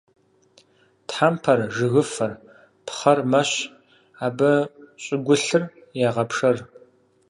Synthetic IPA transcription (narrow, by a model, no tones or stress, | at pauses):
tħampʰɐrʒɨɣɨfɐr | pχɐrmɐɕ | aːbɐɕʼɪɡʷʊɬɨr | jaːʁɐpʂɐr